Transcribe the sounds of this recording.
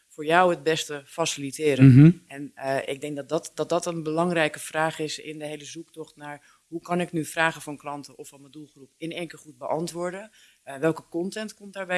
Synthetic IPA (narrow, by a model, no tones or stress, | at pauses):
foːɹjawət̚bɛstəfasilitɪːɾənɛnʔɪ̰ɡ̚dɛŋkdɔdtdɔt̚dɔtənbəlɑŋrɛjkəfraːχɪsɪ̰ndəɦejləzuktɔxtnaːɹ | ɦukɑnɪknyfraːɣəfɔnklɑntəɔfɔnmədulˠxrupɪnɛŋkəχut̚bəʔɑntʋoːɹdə | ʋɛlˠkəkɔntɛntkɔmtdaːɹbɛ